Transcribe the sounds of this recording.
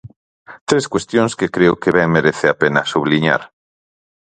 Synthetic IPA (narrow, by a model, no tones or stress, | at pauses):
t̪ɾeskwest̪jõŋskekɾeʊkeβɛŋmeɾeθɪapenɐsuβliɲa̰ɾ